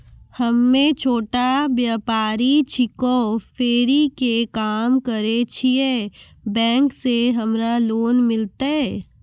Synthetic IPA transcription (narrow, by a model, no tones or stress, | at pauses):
hɐmːẽt͡ʃʰoːʈabjaːpaːɾit͡ʃʰɪkofʰeːɾikekaːmkəɾet͡ʃʰie | bɛ̃ːŋkseɦɐmɾaloːnmɪlt̪aɦɛ